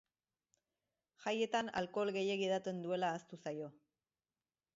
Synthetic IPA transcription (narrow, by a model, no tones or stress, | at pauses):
ʝaje̞t̪ana̰lko̞lɣe̞jekið̞at̪e̞nd̪ue̞laːst̪usajo̞